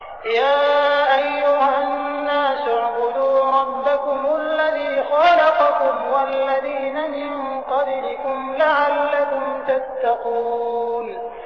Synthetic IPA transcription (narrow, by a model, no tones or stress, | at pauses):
jaːʔajːʊhanːaːsʊʕqʊd̪uːɾˤɑbːakʊmalːaðiːxɑlɑqɑkʊmwalːaðiːnamɪŋ | qɑblɪkʊmlaʕalːakʊmt̪at̪ːaquːn